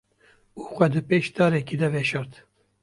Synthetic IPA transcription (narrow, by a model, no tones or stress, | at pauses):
uːxʷɛd̪ɨpeːʃt̪ɑːɾɛkid̪ɛvɛʃɑɾt̪